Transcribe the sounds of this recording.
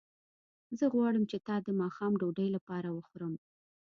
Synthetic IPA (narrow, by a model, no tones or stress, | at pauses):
zəɣwɑɽəmt͡ʃet̪ɑd̪əmɑxɑmɖoɖəjlapɑɾawəxoɾəm